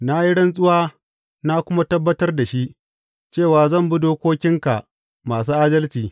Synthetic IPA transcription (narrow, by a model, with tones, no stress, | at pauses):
na˦ji˦ɽɐ˦nsʼʊ˦waː˦ | na˦kʷʊ˦ma˦tɐ˦bːɐ˦tɐ˦rda˨ʃi˦ʔ | t͡ʃeː˦˨waː˨zɐ˦˨mbʊ˦doː˦kʷoː˦kʲɪ˦ŋka̰˨ʔ | maː˨s̬uː˦ʔaː˦dɐ˦lt͡ʃiː˨